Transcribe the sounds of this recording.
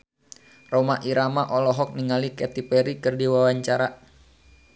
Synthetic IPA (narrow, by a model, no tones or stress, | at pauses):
romaʔiɾamaʔɔlɔɦɔk̚niŋalikɛt̪ipɛɾikɨrdiwawaɲt͡ʃaɾa